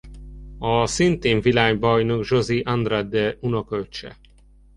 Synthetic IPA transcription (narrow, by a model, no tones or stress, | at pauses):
ɒsint̪eːɱvilaːɡbɒjnoɡʒoziʔand̪rad̪ɛunokølt͡ʃɛ̰